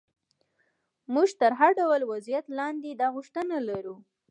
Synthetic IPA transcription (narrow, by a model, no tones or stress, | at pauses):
muʒt̪əɾɦaɾɖawlwazijat̪lɑnd̪ed̪ɑɣʊʂt̪ənalaɾu